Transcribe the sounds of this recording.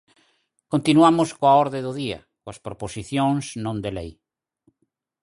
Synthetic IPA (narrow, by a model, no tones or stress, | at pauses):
kõnt̪inuamoskoaɔɾðeðʊðia̰ | koaspɾoposiθjõŋsnõnd̪elej